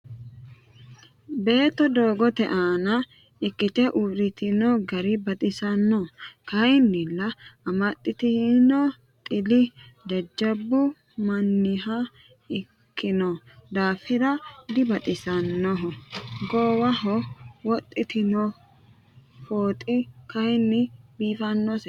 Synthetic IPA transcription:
be̞ːt̪ːɔd̪o̞ːɡɔt̪ɛʔaːnɐ | ɪkːɪt̪ɛʔuɾɪt̪ɪnɔɡɐɾɪbɐt̪ʼɪsɐnːɔkɐɪnːɪlːɐɐmɐt̪ʼːɪt̪ɪhnɔ | t̪ʼɪlɪd̪ɐd͡ʒːɐbːʊ | mɐnːɪɦɐ | ɪ | kʰːɪnɔ | d̪aːfɪɾɐd̪ɪbɐt̪ʼɪsɐnːɔɦɔɡoːwɐɦɔwɔt̪ʼːɪt̪ɪnɔ | foːt̪ʼɪkɐɪnːɪbiːfɐnːɔsɛ

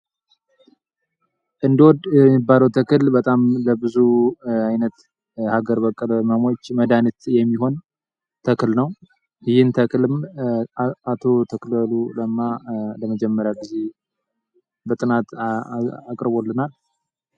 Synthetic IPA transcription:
ʔɨnd̪əwɔd̪ɛibːaləwt̪ʰəkɨlbət̪ʼamləbɨzuajnət̪ | haɡəɾbəkʼːɨlməmo̞t͡ʃːməd̪anit̪jɛmːiɦo̞n | t̪ʰəkɨlnəw | jhɨnt̪ʰəklɨm | at̪ʰo̞t̪ʰəkləluləmːaləməd͡ʒɛmːəɾjawɡize | bət̪ʼɨnat̪ | akʼɾβo̞lːɨnal

